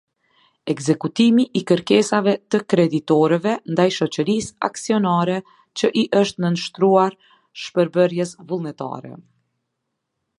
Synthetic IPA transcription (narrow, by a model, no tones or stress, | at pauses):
ɛɡzɛkut̪imiʔikəɾkɛsavɛt̪əkɾɛd̪it̪ɔɾɛvɛnd̪ajʃɔt͡ɕəɾisa̰ksiɔnaɾɛ | t͡ɕəʔiʔəʃt̪nənʃt̪ɾuaɾ | ʃpəɾbəɾjɛsvulˠnɛt̪a̰ɾɛ̰